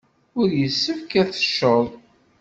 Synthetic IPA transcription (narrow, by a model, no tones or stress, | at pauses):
ʊɾjəsːəfkæθə̥ʃːəðˤ